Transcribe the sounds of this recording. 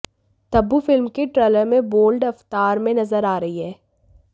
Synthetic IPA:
t̪ɐbːufɪlmkeʈɾeːləɾmẽboːlɖɐft̪aːɾmẽnɐzəɾaːɾɐɦiɦɛː

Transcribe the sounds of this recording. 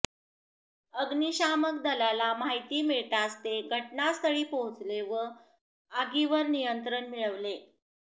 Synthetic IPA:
əɡniɕaməkd̪əlalamaɦit̪iːmiɭt̪ast̪eɡʱəʈnast̪ʰəɽiːpoɦut͡sleʋə | aɡiʋəɾnijənt̪ɾəɳmiɭəʋle

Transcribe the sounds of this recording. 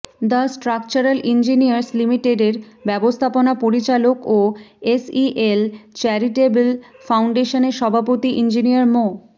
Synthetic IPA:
d̪asʈɾak̚t͡ɕaɾalʔind͡ʑinijaɾslimiʈeɖeɾbɛbost̪ʰaponapoɾit͡ɕalokoesiʔelt͡ɕɛɾiʈebel | fawɳɖeʃoneɾʃɔbʱapot̪iʔind͡ʑiniaɾmo

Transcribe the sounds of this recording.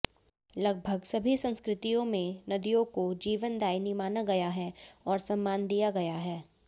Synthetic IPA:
lɐɡ̚bʱəɡsɐbʱisɐ̃nskɾɪt̪ijõmẽnɐd̪ijõkod͡ʒiːʋənd̪aːɪnimaːnaɡɐjaɦɛɔːɾsɐ̃mːaːnd̪ijaɡɐjaɦɛː

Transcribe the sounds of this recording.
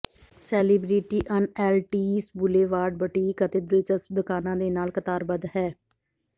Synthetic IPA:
sɛːliːbɾiːʈiːʔənɛːlʈiːsbʊleːʋaːɖbəʈiːkət̪eːd̪ɪlt͡ʃəs̚d̪ʊkaːnãːd̪eːnaːlkət̪aːɾbəd̪ɦɛː

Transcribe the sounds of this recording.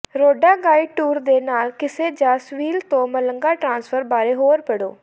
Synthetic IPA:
ɾoːɖaːɡaːiʈuːɾd̪eːnaːlkɪseːd͡ʒaːsʋiːlt̪õːmələŋɡaːʈɾãːnspʰəɾbaːɾeːɦoːɾpəɽoː

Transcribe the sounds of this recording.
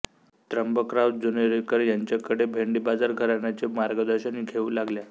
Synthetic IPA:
t̪ɾəmbəkɾawt̪̚d͡zunəɾekəɾjaɲt͡ɕjakəɽebʱeɳɖibad͡zaɾɡʱəɾaɳjat͡ɕemaɾɡəd̪əɾɕəniːkʰeʋuːlaɡlja

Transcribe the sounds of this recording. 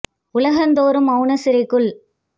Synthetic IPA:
ʊlɐɣɐnd̪oːɾɯmɐʊnɐsɪɾɐɪkːɯɭ

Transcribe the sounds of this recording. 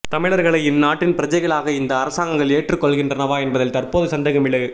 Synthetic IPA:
t̪ɐmɪɭɐɾɣɐɭɐɪɪnːaːʈːɪnpɪɾɐd͡ʒɐɪɣɐɭaːɣɐɪnd̪ɐːɾɐsaːŋɡɐŋɡɐɭeːʈrɯkːɔɭɣɪndrɐnɐʋaːɛnbɐðɐlt̪ɐrpoːðɯsɐnd̪ɐɣɐmɪɭɯ

